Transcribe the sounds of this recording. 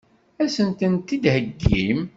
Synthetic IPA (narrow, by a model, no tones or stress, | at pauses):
æsənt̪ənt̪id̪həɡːim